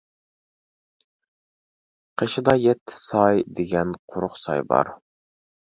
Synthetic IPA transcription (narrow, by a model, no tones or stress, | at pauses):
qʰeʃd̪ɑjɛt̪ʰːɪ̥sɑjd̪eɡʲɛnqʰʊɾʊχsɑ̰jbɑ̰ɾ